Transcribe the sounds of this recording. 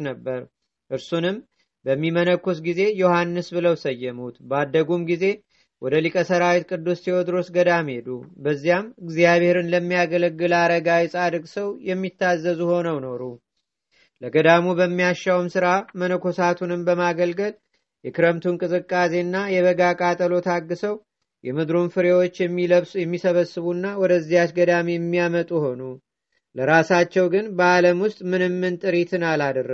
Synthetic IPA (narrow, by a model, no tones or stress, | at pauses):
nəbːəɾ | ʔɨɾsunɨm | bəmːimənəkʰːosɡize̞johanːɨsbɨləwsəjːɛmut̪bad̪ːəɡumɡize̞ | wʔɔd̪əlikʼəsəɾawit̪kʼɨd̪ːusːiwɔd̪ɾo̞sɡəd̪amhe̞d̪ubəzːijamɨɡzijaβhe̞ɾɨnləmːijaɡələɡːɨlaɾəɡawsʼad̪ɨkʼsəwjɛmːit̪ʰːazːəzuho̞nəwno̞ɾu | ləɡəd̪amubəmːijaʃːawɨmsɨɾamənokʰo̞sat̪ʰunɨmbəmaɡəlɡəl | jɛkʰɨɾəmt̪ʰunkʼɨzʼɨkʼːase̞nːajɛβəɡakʼat̪ʼəlot̪ʰaɡːɨsəw | jɛmɨd̪ɾonfɨɾewo̞t͡ʃːjɛmːiləβsjɛmːisəβəsːɨβunːawɔd̪əzːijat͡ʃɡəd̪amijɛmːijamət̪ʼuho̞nu | ləɾasat͡ʃːɛwɡɨnbəaləmwʊst̪ʼmɨnɨmːɨnt̪ʼɨɾit̪ʰɨnalad̪rə